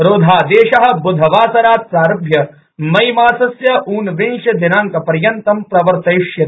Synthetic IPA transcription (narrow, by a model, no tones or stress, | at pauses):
ɾoːd̪ʱaːd̪eːʃɐɦɐ̆bʊd̪ʱɐʋaːsɐɾaːt̪̚saːɾɐbʱjɐ | mɐjmaːsɐsjɐuːnʋɪnʃɐd̪ɪnaːŋkɐpɐɾjɐnt̪ɐmpɾɐʋɐɾt̪ɐʃjɐt̪